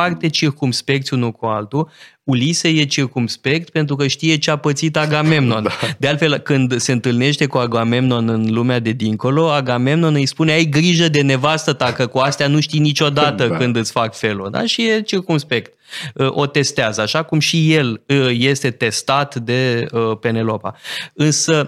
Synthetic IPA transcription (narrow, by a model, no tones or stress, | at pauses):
art̪e̞t͡ʃirkumspe̞k̚t̪sʲunukualt̪u | uliseje̞t͡ʃirkumspe̞k̚t̪pe̞nt̪ɾuk̬əʃt̪ije̞t͡ʃeapət̪sit̪aɡame̞mno̞nd̪e̞alfe̞lkɨnd̪se̞ɨnt̪ɨlne̞ʃt̪e̞kuaɡame̞mno̞nɨnlumead̪e̞d̪iŋko̞lo̞aɡame̞mno̞nɨjspune̞ajɡɾiʒəd̪e̞ne̞vast̪ət̪akəkuast̪eanuʃt̪init͡ʃo̞d̪at̪əkɨnd̪ɨt̪sʲfakfe̞lo̰d̪a̰ʃije̞t͡ʃirkumspe̞kt̪əʔo̞t̪e̞st̪eazəaʃakumʃije̞ləje̞st̪e̞t̪e̞st̪at̪d̪e̞əpe̞ne̞lopa̰ɨnsə